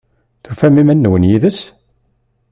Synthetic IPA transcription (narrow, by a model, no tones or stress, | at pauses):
θufæmimænːwənjiðəs